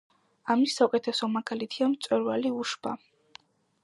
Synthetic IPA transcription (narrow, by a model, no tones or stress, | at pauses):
amisːaukʼɛt̪ʰɛsɔmaɡalit̪ʰiamt̪sʼwɛɾvaliuʃb̥a̰